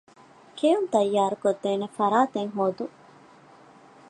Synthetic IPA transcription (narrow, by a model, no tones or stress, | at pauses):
kejunt̪ɐjːaːɾukod̪ːeːnefɐɾaːt̪eŋɦoːd̪u